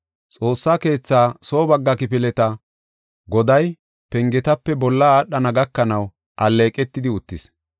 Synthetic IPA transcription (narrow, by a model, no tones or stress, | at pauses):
t͡sʼo̞ːsːaːke̞ːt͡sːaːso̞ːbɐɡːɐkɪpɪlɛt̪ɐ | ɡɔd̪ɐj | pɛŋɡɛt̪ɐpːɛbɔlːɐaːɗɐnɐɡɐkːɐnɐw | ʔɐlːe̞ːkʼɛt̪ːɪd̪ɪʊt̪ːɪs